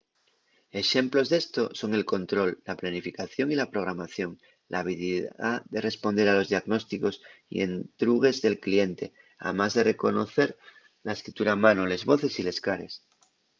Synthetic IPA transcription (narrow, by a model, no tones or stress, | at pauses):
e̞ʃe̞mplo̞zðe̞st̪o̞so̞ŋe̞lko̞nt̪ɾo̞lːaplanifikaθjo̞ŋilapɾo̞ɣɾamaθjo̞ŋ | lʔa̰aβ̞iliðaðe̞re̞spo̞nd̪e̞ɾalo̞zðiaɣno̞st̪iko̞sḭḛnt̪ɾuɣ̞e̞zðe̞lklie̞nt̪e̞ | a̰mazðe̞re̞ko̞noθe̞ɾ | lae̞skɾit̪uɾamãnole̞zβo̞θe̞sile̞skaɾe̞̰s